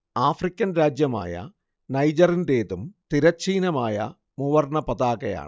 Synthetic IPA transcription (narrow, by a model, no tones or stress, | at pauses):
aːfrikʲːɐnɾaːd͡ʑjɐma̰ːjɐ̰ | nɐjd͡ʑɐrinde̞ːðumt̪iɾɐt͡ɕːiːnɐmaːjɐ̰ | muʋɐrɳɐpɐðaːɣɐja̰ːɳɨ